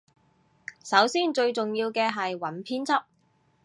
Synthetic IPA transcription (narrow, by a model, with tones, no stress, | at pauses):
sɐ˨˥wsiː˥nt͡ʃɵ˧ɥt͡sʊ˨ŋjiː˧wkɛː˧ɦɐ˨jwɐ˨˥npʰiː˥nt͡sʰɐ˥p̚